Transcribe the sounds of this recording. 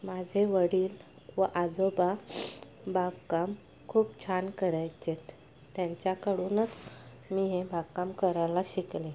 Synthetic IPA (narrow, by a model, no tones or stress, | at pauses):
mad͡ʑʱeʋəɽiːl | ʋəʔad͡zoba | bʱaɡkam | kʰuːpt͡ɕʰankəɾajt͡ɕet̪ː | jaɲt͡ɕjakəɽuːnət͡s | miːɦebʱaɡkamkəɾajlaɕikle